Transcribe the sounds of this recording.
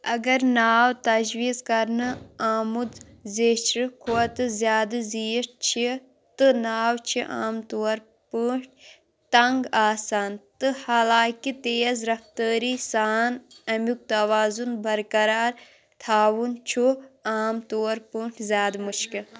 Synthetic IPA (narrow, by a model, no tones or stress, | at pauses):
ɐɡɐɾnaːwt̪ɐd͡ʒʋiːzkɐɾnɨaːmud̪ | zeːt͡ʃʰɾɨkʰoɐt̪ɨzjaːd̪ɨzijʂt͡ʃʰi | t̪ɨnaːwt͡ʃʰiʔa̰ːmt̪oːɐɾ | pəːʈʰ | t̪ɐŋɡaːsaːnt̪ɨhalaːkit̪eːzɾɐft̪əːɾiːsaːnɐmjuk̚t̪ɐʋaːzunbɐɾkɐɾaːɾ | t̪ʰaːwunt͡ʃʰuaːmt̪oːɾpəːʈʰzʲjaːd̪mut͡ʃʰki